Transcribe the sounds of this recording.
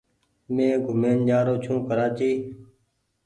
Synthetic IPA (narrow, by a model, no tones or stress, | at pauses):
mẽːɡʱʊmeːnd͡ʒaːɾoːt͡ʃʰũːkəɾaːt͡ʃiː